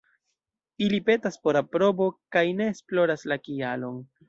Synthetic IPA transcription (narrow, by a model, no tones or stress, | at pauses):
ilipe̞taspo̞ɾapɾo̞bo̞kajne̞ːsplo̞ɾaslakialo̞n